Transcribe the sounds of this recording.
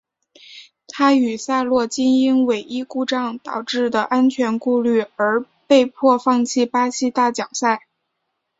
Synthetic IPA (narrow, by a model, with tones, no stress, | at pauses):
t̪ʰa˥y˨˩sa˥˧lwɔ˥˩t͡ɕi˥ni˥ŋwe˨˩ɪʔi˥ku˥˧ʈ͡ʂɑ˥˩ŋt̪ɑ˨˩ʊʈ͡ʂɻ̩˥˩d̪ə˩ʔa˥nt͡ɕʰɥɛ˧˥nku˥˧ly˥˩ə˞˧˥ | pe˥˧ɪpʰwɔ˥˧fɑ˥˧ŋt͡ɕʰi˥˩pa˥ɕi˥t̪a˥˩t͡ɕjɑ˨˩ŋsa˥˩ɪ